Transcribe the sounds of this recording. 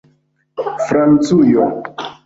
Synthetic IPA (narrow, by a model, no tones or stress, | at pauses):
fɾant͡sujɔ